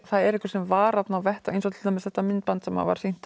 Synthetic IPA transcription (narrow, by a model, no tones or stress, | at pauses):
θaðɛɾɪhkʏ̥ɾsɛmvaːɾat̪nawvɛht̪aḛjns̬ɔt̪ɪ̥t̪amɛðθɛht̪ːamɪnt̪̚pant̪sɛmha̰va̰ɾ̥sejn̥t̪